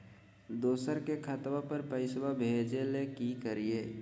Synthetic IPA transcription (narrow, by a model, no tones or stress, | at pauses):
d̪oːsəɾkekʰət̪wapəɾpəɪswabʱeːd͡ʒelekikəɾieː